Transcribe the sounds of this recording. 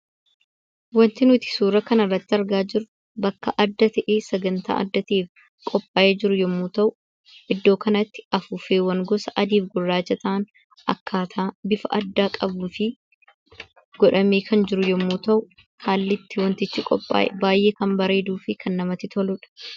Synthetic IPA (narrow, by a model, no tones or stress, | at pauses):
wɐnt̪ɪnʊt̪ɪ̥suːɾɐkɐnɐrːɐt̪ːɪɐɾɡaːd͡ʒɪɾʊ | bɐkːɐʔɐd̪ːɐt̪ɐʔeːsɐɡɐnt̪a̰ːʔɐ̰d̪ːɐt̪eːf | kʼɔpʼːaːjeːd͡ʒɪɾʊjɔmːuːt̪ɐʔʊ | ɪd̪ːoːkɐnɐt̪ːɪ̥ɐfuːfeːwɐŋɡɔsɐʔɐd̪iːfɡʊrːaːd͡ʒɐt̪ɐʔɐn | ɐ̰kːaːt̪ʰaːbɪfɐʔɐd̪ːaːkʼɐbuːfɪ | ɡ̥ɔᶑɐmeːkʰɐnd͡ʒɪɾʊjɔmːuːt̪ɐʔʊ | kʰaːlːɪt̪ːɪwɐnt̪ɪt͡ʃːɪkʼɔpʼːa̰ːʔɛbaːjʔeːkɐmbɐɾe̞ːd̪uːfɪkʰɐnːɐmɐt̪ːɪt̪ɔlʊᶑɐ̥